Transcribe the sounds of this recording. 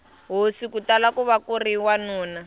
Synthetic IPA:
ɦosikutalakuβakuriwanuːna

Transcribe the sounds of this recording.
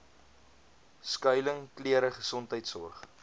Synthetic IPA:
skœɥləŋkliəɾəχəsɔntɦəjtsɔ̰rχ

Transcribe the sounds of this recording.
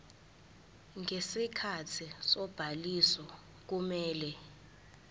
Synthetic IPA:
ŋʱesikʰatʰisɔb̥ʱalisɔ | k̬umɛːlɛ

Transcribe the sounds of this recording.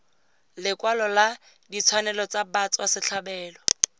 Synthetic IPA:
lɪkwalɔla | dit͡sʰwanɛlɔt͡sabat͡sʼwasɪɬʰabɛːlɔ

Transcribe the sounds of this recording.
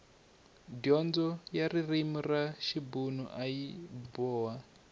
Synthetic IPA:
dɔnd͡zɔjaririmuraʃibunṵʔajibɔːwa

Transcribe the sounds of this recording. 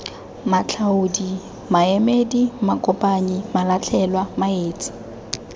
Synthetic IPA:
mat͡ɬʰaʊdi | maemedimakʼɔpʼaɲimalat͡ɬʰɛlwamaeːt͡sʼɪ̥

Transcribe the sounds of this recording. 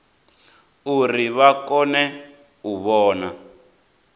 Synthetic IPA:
uriβakɔnɛ | uβɔːna

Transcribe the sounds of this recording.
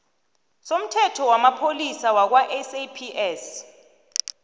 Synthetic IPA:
som̩tʰɛtʰɔwamapʰolisawak̬waʔɛsepʰiʔɛs

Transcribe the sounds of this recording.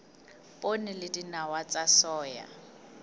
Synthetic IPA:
pʼonɪlɪdinawat͡sʼasɔːja̰

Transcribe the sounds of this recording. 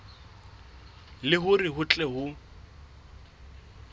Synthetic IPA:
lɪɦʊrɪɦʊt͡ɬʼɛɦʊ

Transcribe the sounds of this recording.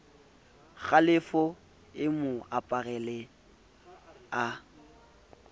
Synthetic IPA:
ɣalɪfɔ | ɪmʊapʼaɣɛlɛ | a

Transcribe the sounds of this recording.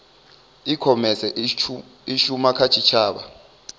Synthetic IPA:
ikʰɔmɛsɛ | iʃumakʰat͡ʃʰit͡ʃʰaːɓa̰

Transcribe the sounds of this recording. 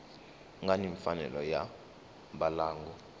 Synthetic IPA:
ŋɡaniɱfanɛ̰lɔja | ɓalaːŋɡɔ

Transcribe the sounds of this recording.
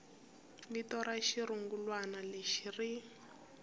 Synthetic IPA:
litɔɾaʃiɾuŋɡulwanaleʃiri

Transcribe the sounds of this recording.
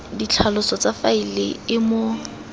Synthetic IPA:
dit͡ɬʰalʊsɔt͡safailɪ̰ɪmo

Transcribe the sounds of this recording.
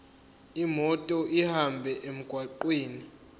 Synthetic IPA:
imɔtʼɔʔihambʱɛʔem̩ɡ̥ʱwaǃwiːni

